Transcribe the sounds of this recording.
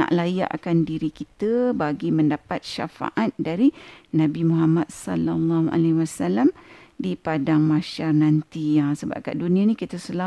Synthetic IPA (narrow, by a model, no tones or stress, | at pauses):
na̰ʔlaja̰ʔkandiɾikit̪əbaɡiməndapat̪̚ʃa̰fa̰ʔat̪̚daɾinãbimuɦamat̪̚salalːɑʔa̰lawasalamdipadaŋmaʃarnãnt̪ijasəba̰p̚ka̰ʔdunĩãnĩkit̪əsəla